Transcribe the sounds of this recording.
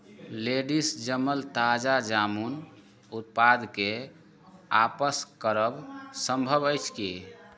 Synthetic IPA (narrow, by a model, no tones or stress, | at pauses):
leɖisd͡ʒəməlt̪ad͡ʒad͡ʒamun | ut̪̚pad̪ʱke | apəskəɾəbsəmbʱəbəjt͡ʃʰki